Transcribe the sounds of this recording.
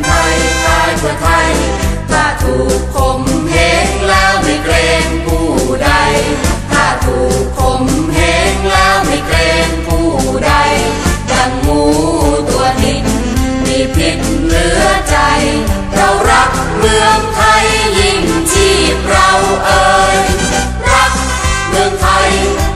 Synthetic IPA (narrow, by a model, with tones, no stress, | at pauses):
t̪ʰa˧˩jk̪aː˧jkʰu˧˩ət̪ʰa˧j | t̪ʰaː˧˩t̪ʰuː˨˩kʰːo˧˩mhɛː˨˦ŋlɛː˧˥wma˥˩jklɛː˧ŋmuː˧˩da˧jt̪ʰaː˧˩t̪ʰuː˨˩kʰːo˧˥˩mhɛː˨˦ŋlɛː˧˥wma˥˩jlɛː˧ŋkuː˧˩ | da˧˩j | ka˧ŋmuː˧˩t̪u˧ət̪ʰi˧˩ŋ | nʰiː˧˩pʰi˨˧˥t̪̚ | lɯ˨˦ət͡ɕa˧j | ɾa˧˩wɾa˦˥p̚ | mɯ˧əŋt̪ʰa˧˩jli˧˩ŋt͡ɕʰiː˧˩p̚ɾa˧wʔɤː˧j | ɾa˦˥k̚ | mɯ˧əŋt̪ʰa˧˩j